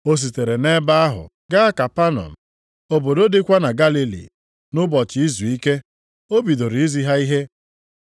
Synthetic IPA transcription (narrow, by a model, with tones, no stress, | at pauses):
o˦s̬i˨te˨ɾe˨ne˦ba˦a˦ɦʊ̰˨ | ɡa˦a˦ka˨pa˦nɔ̰˨m̩˨ | o˨bo˨do˦dɪ˦kʷa˦na˨ɡa˦li˦lḭ˨ | nʊ˦bɔ˨t͡ʃɪ˨i˦zu˨i˦ke˦ | o˦bi˨do˨ɾi˨i˦zi˦ɦa˦i˦ɦe˦